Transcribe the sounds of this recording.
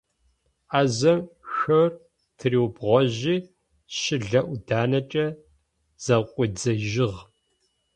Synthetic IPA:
aːzɐmxɐr | tʰɨriːwbʁʷɔʑiː | ʃɪɮɐʔʷʊdaːnɐt͡ʃʼɐ | z̥ɐqʷʼʊd͡zɐʒɪʁ

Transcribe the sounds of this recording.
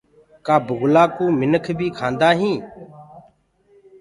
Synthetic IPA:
kaːbʊɣlaːkũːmɪnəkʰbiːkʰãːnd̪aːɦĩː

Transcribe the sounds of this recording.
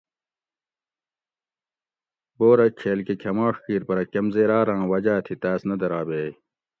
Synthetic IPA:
boːɾɐkʰeːlkekʰɐmaːʂkiːɾpɐɾɐkɐmzeːɾaːɾãːwɐd͡ʑaːt̪ʰit̪aːsnɐd̪ɐɾaːbeː

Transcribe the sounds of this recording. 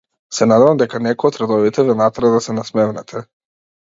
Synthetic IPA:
sɛnad̪ɛvamd̪ɛkanɛkɔɔt̪ɾad̪ɔvit̪ɛvɛnat̪ɾad̪asɛnasmɛmnɛt̪ʰɛ

